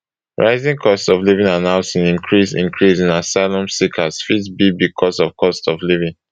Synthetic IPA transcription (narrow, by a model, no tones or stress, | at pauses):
ɹaɪzĩŋkʰɔstsɔvlivĩnanãʊ̃sĩnĩŋkʰɹisḭ̃ŋkʰɹisĩnasaɪlɔ̃msikʰasfitsbibikʰɔsɔfkʰɔstɔvlivĩn